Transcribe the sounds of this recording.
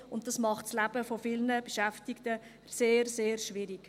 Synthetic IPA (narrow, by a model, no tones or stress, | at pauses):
ʊnt̚dɑsmɑχtslæb̥əfofɪlnəb̥əʃæftɪktə | seːɾseːɾʃʋɪɾiɡ